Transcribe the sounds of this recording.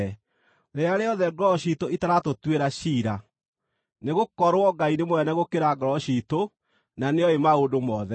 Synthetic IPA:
ɾeaɾeɔðɛɡɾɔɕitoitaɾatotweɾaɕiːɾa | neɣokɔɾwɔɡainemwɛnɛɣokeɾaɡɾɔɕito | naneɔemaodomɔðɛ

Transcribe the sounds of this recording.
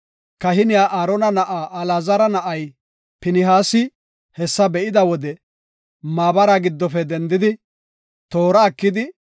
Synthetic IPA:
kɐɦɪnɪjaːʔaːɾɔnɐnɐʔaːʔːlaːzɐɾɐnɐʔɐj | pɪnɪɦaːsɪ | hɛsːɐbɛʔɪd̪ɐwɔd̪ɛ | maːbɐɾaɡɪd̪ːɔfɛd̪ɛnd̪ɪd̪ɪ | t̪o̞ːɾɐːkːɪd̪ɪ

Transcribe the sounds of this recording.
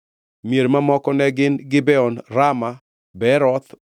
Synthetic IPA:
mieɾmamɔkɔnɛɡɪnɡɪbɛɔnɾama | bɛɾɔt̪

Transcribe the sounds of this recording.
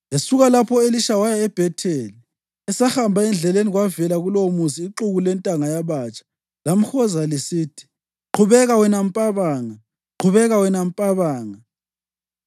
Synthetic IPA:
lesuɣalapʰɔeliʃawajaɛb̥ʱɛtʰeli | ɛsaxambʱaɛnd͡ɮʱɛleniɣwavɛlaɣulomusiːǁuɣulɛntʼaŋajaβaːt͡ʃʼḁ | lam̩xɔzalisiːtʰi̥ | ǃʰuβɛɣawɛnam̩pʼaβaːŋa | ǃʰuβɛɣawɛnam̩pʼaβaːŋa

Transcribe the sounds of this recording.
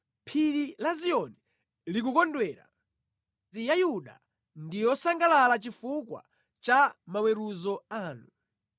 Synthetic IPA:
pʰiɾilaziɔni | lik̬ukɔndwɛːɾa̰ | ijajuɗa̰ | ndijɔsaŋɡalalat͡ʃifukwa̰ | t͡ʃamawɛɾuzɔaːnu

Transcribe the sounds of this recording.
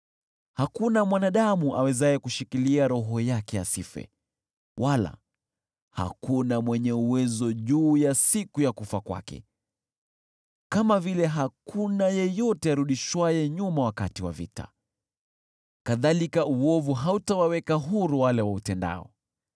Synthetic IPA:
hakunamwanaɗamuʔawɛzajɛkuʃikiliaɾɔɦɔjakɛja̰sifɛ̰ | wʔala̰ | ha̰kunamwɛɲɛuwɛzɔʄuːjasikujakufakwa̰kɛ̰ | kamavilɛɦakʰunajɛjɔtɛaɾuɗiʃwajɛɲumawakatiwa̰vḭta̰ | kaðalikauwɔvuɦautawawɛkaɦuɾuwalɛwautɛnda̰ɔ̰

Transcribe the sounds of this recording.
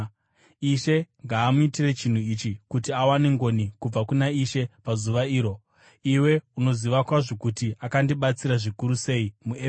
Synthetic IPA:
iʃe̞ŋɡaːmuitire̞t͡ʃin̤uit͡ʃikutiawaneŋɡo̞nikub͡vakunaiʃe̞pazuʋaiːɾo̞ | iwe̞uno̞ziʋakwaʐo̞kutiakandiɓat͡siɾaʐikuɾuse̞ːimue

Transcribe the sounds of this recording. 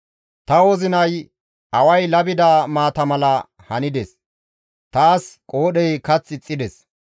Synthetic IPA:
t̪ɐwɔzɪnɐj | ɐwɐjlɐbɪd̪aːmaːt̪ɐmɐlɐ | hɐnɪd̪ɛs | t̪aːskʼoːɗɛjkɐt͡sːɪt͡sʼːɪd̪ɛs

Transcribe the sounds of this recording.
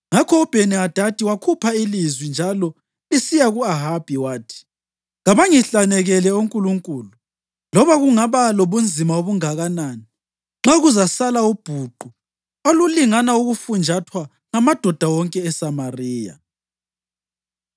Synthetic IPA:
ŋakʰɔːb̥ʱeniad̥ʱad̥ʱiwakʰupʰailizwind͡ʒʱalɔ | isijaɣuaɦab̥ʱiwaːtʰi̥ | ɣaβaŋiɬanɛɣɛlɛuŋkʼuluŋkʼuːlu | lɔβaɣuŋaβaloβund͡zʱimaoβuŋaɣanaːni | ŋ͡ǁaɣuzasalaub̥ʱuǃu | oluliŋanauɣufund͡ʒʱatʰwa | ŋamad̥ʱɔd̥ʱawɔŋkʼɛːsamariːja̰

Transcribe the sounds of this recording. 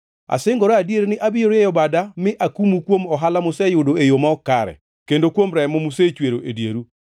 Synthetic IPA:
a̰sɪŋɡɔɾaadjeɾnɪʔabɪjoɾejɔbadamɪʔakumukwomɔɦalamʊsejʊdoejomaɔkaɾɛ̰ | kendokwomɾɛmɔmuset͡ʃweɾoʔedjeɾu

